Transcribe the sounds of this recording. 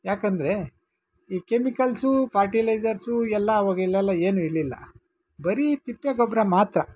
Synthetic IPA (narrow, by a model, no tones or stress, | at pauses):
jaːkɐnd̪ɐɾe̞ | iːkemikɐlsupʰaːɾʈilɐjd͡ʒɐɾsuɛlːɐːʋɐːɡiɭːɛlːɐeːnuiɾlilːɐ̰ | bɐɾit̪ipːjaːɡɔbɾɐmaːt̪ɾɐ